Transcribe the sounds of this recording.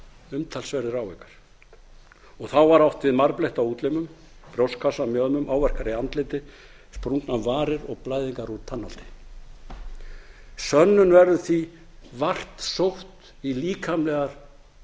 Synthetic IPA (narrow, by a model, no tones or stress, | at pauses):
ʏmt̪ʰalsvɛɾðɪɾawvekḁɾ̥ | ɔɣθawvaɾawht̪vɪðmaɾplejht̪awuːt̪lɪmʏm | pɾjowskʰasamjœðmʏmʔaːwvɛr̥kaɾiant̪lɪt̪ɪ | spɾuŋknavaːɾɪɾɔɣplaːjðiŋkaɾut̪ʰːanːal̥t̪ɪ̥ | sœnːʏnvɛɾðʏθvi | var̥t̪sowht̪ | iliːkʰamlɛɣaɾ̥